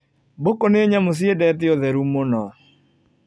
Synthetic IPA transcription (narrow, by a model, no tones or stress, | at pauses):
bokoneeɲamos̬ɪedɛt̪ɪɔðɛɾumonɔ